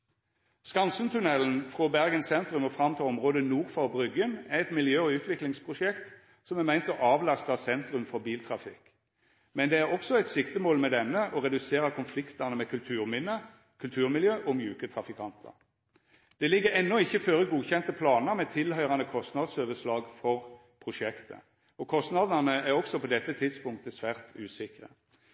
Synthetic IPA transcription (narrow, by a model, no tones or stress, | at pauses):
skɑnsən̩t̪ʰʉnɛln̩fʁɔbæʁɡənsɛnt̪ʁʉmɔfʁɑmt̪ʰɑːɔmʁoːd̪ənuːʁfɑɔbʁʏɡənæʁɛt̪mɪljøːɔʉːt̪ʰʋɪklɪŋspʰʁʊʃɛkt̪ | sɔmæmæɪnt̪ɔʔɑːʋlɑst̪ɑsɛnt̪ʁʉmfɔʁbiːlt̪ʰʁɑfɪk | mɛnd̪ɛæʁɔksɔæɪt̪sɪkt̪əmoːlmɛd̪ɛnːəʔɔʁɛd̪ʉseːʁəkʰʊnflɪkt̪ənəmɛkʰʉlt̪ʰʉːʁmɪnːə | kʰʉlt̪ʰʉːʁmɪljøːʔɔmjʉːkət̪ʰʁɑfɪkʰɑnt̪ʰə̰ | d̪̥ɛlɪɡːəɛnːɔɪçːəføːʁəɡuːçɛnt̪əpʰlɑːnəɾmɛt̪ʰɪlhœʏʁɑnəkʰɔst̪nɑd̪soːʋəʂlɑːɡfɔʁ | pʰʁʊʂɛkt̪ʰə̰ | ɔkʰɔst̪nɑd̪ənəæʁɔksɔpɔd̪ɛt̪ːət̪ʰɪd̪spʊŋkt̪əsʋæːʁt̪ʉːsɪkʁə̰